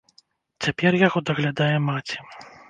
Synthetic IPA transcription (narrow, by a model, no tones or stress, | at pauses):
t͡sʲapʲɛrjaɣɔd̪ɐɣlʲad̪ajɛmat͡sʲi̥